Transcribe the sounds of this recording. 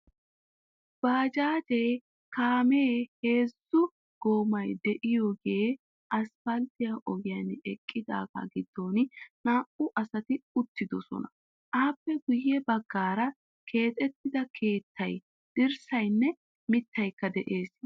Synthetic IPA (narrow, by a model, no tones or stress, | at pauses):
b̥aːd͡ʒaːd͡ʒej | kaːmeːhe̞ːzːʊ | ɡ̥o̞ːmɐjd̪ɛʔɪjoːɡe̞ː | ʔɐsfɐlt̪ɪjaʔɔɡɪjanɛkʼːɪd̪a̰ːɡɐ̰ɡɪd̪ːo̞ːnnaːʔʊʔɐsɐt̪ɪʊt̪ːɪd̪ɔsɔ̰nɐ | ʔaːpːɛɡʊjːɛbɐɡːaːɾɐ | kʰe̞ːt̪ʼɛt̪ːɪd̪ɐkʰe̞ːt̪ːɐj | d̪̥ɪɾsɐjnːɛ | mɪt̪ːɐjkːɐd̪ɛʔe̞ːs